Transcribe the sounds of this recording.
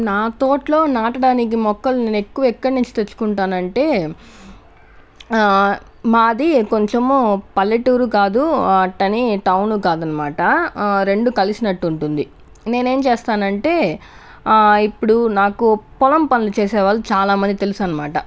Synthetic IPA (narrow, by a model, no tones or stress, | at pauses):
naːt̪o̞ːʈlo̞ːnaːʈɐɽaːnik̬imɔkːɐlune̞ːne̞kːuʋɐɛkːɐɽniɲt͡ʃi̥t̪et͡ʃːu̥kuɳʈaːnɐɳʈe̞ː | maːd̪ikoɲt͡ʃempɐlːeʈuːɾukaːd̪uɐʈːɐniʈɐwnuːkaːd̪ɐnːɐmaːʈɐɾe̞ɳɖukɐlisinɐʈːuɳʈund̪i | ne̞ːne̞ːmt͡ʃeːst̪aːnɐɳʈe̞ː | ipːuɽunaːkupɔlɐmpɐnilut͡ʃeːsɛːʋaːlːut͡ʃaːlaːmɐnd̪it̪elusɐnːɐmaːʈɐ